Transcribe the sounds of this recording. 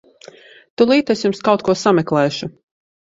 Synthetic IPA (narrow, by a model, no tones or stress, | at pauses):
t̪ulˠiːt̪esjumskawt̪kuɔsamɛklˠɛːʃu